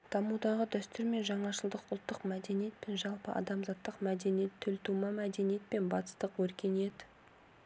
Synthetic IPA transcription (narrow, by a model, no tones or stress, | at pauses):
d̪̥ɑmud̪ɑʁəd̪æst̪ʏɾme̞nʒɑɴɑʃəlˠd̪əqʊlˠt̪ːəqmæd̪e̞nije̞t̪̚pe̞nʒɑlˠpəɑ̰d̪ɑmzɑt̪ːəqmæd̪e̞nijet̪ʰːʏlt̪ʰumɑmæd̪e̞nije̞t̪̚pe̞nbɑt̪ə̥st̪əqwɵɾkʲe̞ne̞d̪ɪ